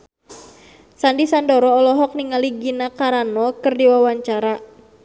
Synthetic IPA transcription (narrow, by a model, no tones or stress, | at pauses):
sandisandɔɾɔːlɔɦɔk̚niŋaliɡinakaɾanɔkɨrdiwawaɲt͡ʃaɾa